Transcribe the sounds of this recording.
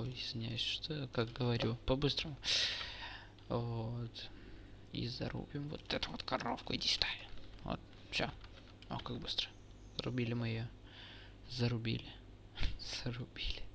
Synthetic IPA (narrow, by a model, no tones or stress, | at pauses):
ɪzʲvʲɪnʲæjʊsʲʂt̪okak̚ɡəvɐɾʲupɐbɨst̪ɾəmʊ | vot̪ | ḭzɐ̰ɾʔṵbʲɪmvo̰t̪ɛt̪əvot̪kɐro̰fkʊidʲɪsʲt̪ajɪvo̰t̪̚ | fsʲo | o̰kak̚bɨst̪ɾə̥ | zəɾʊ̰bʲilʲɪmɨjo | zəɾʊbʲḭlʲɪ | z̥əɾʊbʲilʲɪ